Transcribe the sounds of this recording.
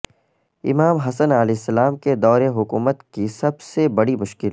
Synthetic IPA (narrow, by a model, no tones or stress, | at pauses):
ɪmaːmɦɐsənəlɛːɪsːɐlaːmked̪ɔːɾeɦʊkuːmət̪kisɐbsebɐɽimʊʃkɪl